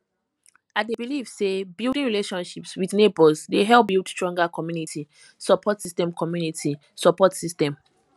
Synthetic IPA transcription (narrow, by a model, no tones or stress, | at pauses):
adebilivsebilˠdĩŋɹileʃɔ̃nʃipswiðnebɔzdeɦɛlˠp̚bilˠdstɹɔ̃ŋɡakʰɔmjunitʰi | sɔpʰɔtsistɛ̃mkʰɔmjunitʰi | sɔpɔtsistɛ̃m